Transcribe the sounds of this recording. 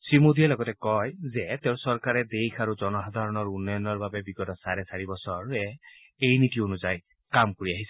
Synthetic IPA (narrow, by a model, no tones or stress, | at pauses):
sɹimodiɛlɔɡɔtɛkɔjzɛteʊ̃sɔɹkaɹɛdejxʰaɹuzɔnɔxad̪ʱaɹɔnɔɹunːɔjɔnɔɹbabɛbiɡɔtɔsaɹɛsaɹibɔsɔɹɛ | ejnitionuzaj | kamkoɹiaɦisɛ̥